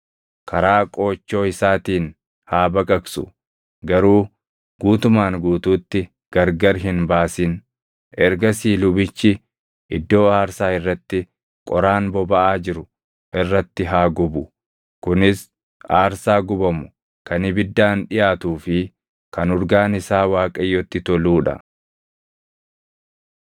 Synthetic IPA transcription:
kʰɐɾaːkʼo̞ːt͡ʃːo̞ːɪsaːt̪iːn | haːbɐkʼɐksʊ̰ | ɡɐɾuː | ɡ̥uːt̪ʊmaːŋɡuːt̪uːt̪ːɪ | ɡ̥ɐɾɡɐɾɦɪnbaːsɪn | ʔɛɾɡɐsiːlʊbɪt͡ʃːɪ | ʔɪd̪ːo̞ːaːɾsaːɪrːɐt̪ːɪ | kʼɔɾaːnbɔbɐʔaːd͡ʒɪɾʊ | ʔɪrːɐt̪ːɪɦaːɡʊbʊ | kʊnɪs | aːɾsaːɡʊbɐmʊ̥ | kɐnɪbɪd̪ːaːnᶑɪjaːt̪uːfɪ | kɐnʊɾɡaːnɪsaːwaːkʼɐjːɔt̪ːɪt̪ɔluːᶑɐ̰

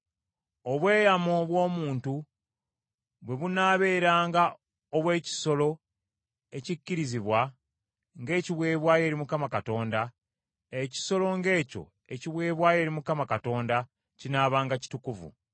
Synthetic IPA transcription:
o̞βwe̞ːjamo̞βwo̞ːmuːntu | βwe̞βunaːβe̞ːɾaːŋɡa | oβwe̞ːci̥so̞lo̞ | e̞cicːiɾiziβwa | ŋɡe̞ːciβwe̞ːβwaːje̞ːɾimukamakato̞ːnda | eci̥so̞lo̞ŋɡe̞ːco̞̰ | eciβwe̞ːβwaːje̞ːɾimukamakato̞ːnda | cinaːβaːŋɡaci̥tukuvṵ

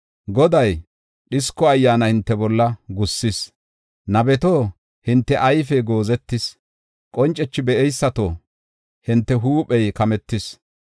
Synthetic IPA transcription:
ɡɔd̪ɐj | ɗɪskːɔɐjːaːnɐhɪnt̪ːɛbɔlːɐɡʊsːɪs | nɐbɛt̪oː | hɪnt̪ːɛʔɐjfɛɡo̞ːzɛt̪ːɪs | kʼɔnt͡ʃʼɛt͡ʃːɪbɛʔɛjsːɐt̪o̰ː | hɪnt̪ːɛɦuːpʼɛjkɐmɛt̪ːɪs

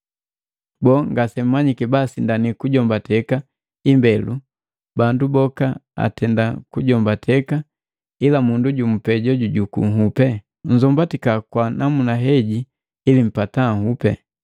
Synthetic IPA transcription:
bɔŋɡasɛm̩maɲikɛbasindanikuɟɔmbatʰɛka | imbɛlu | bandubɔkaa̰tʰɛndakuɟɔmbatʰɛka | ilamunduɟum̩pɛɟɔɟuɟukṵŋɦupɛ | ɲ̩zɔmbatikakwanamunaɦɛɟi | ilim̩pataŋhupɛ̰

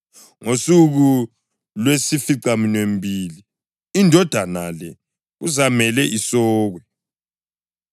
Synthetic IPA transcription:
ŋosuɣu | lwesifiǀaminwem̩bʱiliː | ndʱɔd̥ʱanalɛ | ɣuzamɛlɛʔisɔːɣwɛ

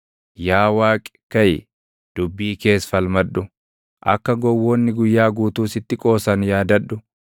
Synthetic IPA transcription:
jaːwaːkʼɪ̥kɐj | d̪̥ʊbːiːke̞ːsfɐlmɐᶑʊ | ʔɐ̰kːɐɡɔwːɔːnːɪɡʊjːaːɡuːt̪uːsɪt̪ːɪkʼo̞ːsɐnjaːd̪ɐᶑːʊ

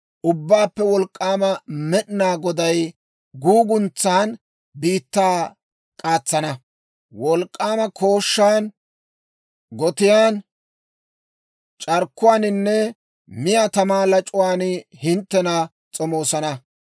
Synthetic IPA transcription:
ʔʊbːaːpːɛwɔlkʼːaːmɐmɛɗɪnaːɡɔd̪ɐj | ɡuːɡʊnt͡sːaːn | biːt̪ːaː | kʼaːt͡sːɐnɐ | wɔlkʼːaːmɐkʰo̞ːʃːaːn | ɡɔt̪ɪjaːn | t͡ʃʼɐɾkːʊwaːnɪnːɛ | mɪjat̪ɐmaːlɐt͡ʃʼʊwaːnhɪnt̪ːɛnɐ | t͡sʼɔmo̞ːsɐnɐ

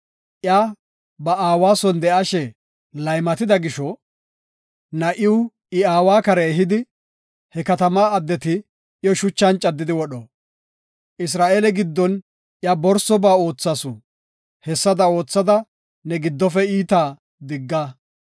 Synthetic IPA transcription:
ʔja | bɐaːwaːsɔnd̪ɛʔɐʃɛ | lɐjmɐt̪ɪd̪ɐɡɪʃɔ | nɐʔɪwʊ | ɪaːwaːkɐɾɛːɦɪd̪ɪ | hɛkɐt̪ɐmaːɐd̪ːɛt̪ɪ | ɪjɔʃʊt͡ʃːɐnt͡ʃʼːɐd̪ːɪd̪ɪwɔɗɔ | ʔɪs̬ɾaːʔeːlɛɡɪd̪ːɔn | ʔjaːbɔɾsɔbaːo̞ːt͡sːasʊ | hɛsːɐd̪ɐo̞ːt͡sːɐd̪ɐ | nɛɡɪd̪ːɔfɛiːt̪aː | d̪ɪɡːa

